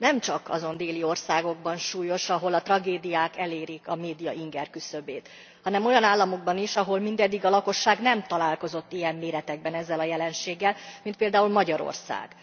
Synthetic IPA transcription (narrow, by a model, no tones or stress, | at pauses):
nɛmt͡ʃɒkɒzo̞nd̪eːlio̞rsaːɡo̞ɡ̚bɒnʃuːjo̞ʃɒɦo̞lɒt̪rɒɡeːd̪ijaːkɛleːɾikɒmeːd̪ijɒʔiŋɡɛrkysøbeːt̪ | hɒnɛmo̞jɒnaːlːɒmo̞ɡ̚bɒniʃɒɦo̞lmind̪ɛd̪ːiɡɒlɒko̞ʃːaːɡnɛmt̪ɒlaːlko̞zo̞t̪ːijɛmːeːɾɛt̪ɛɡ̚bɛnɛzːɛlɒjɛlɛnʃeːɡːɛlmint̪̚peːld̪aːulmɒɟɒɾo̰rsa̰ːɡ̥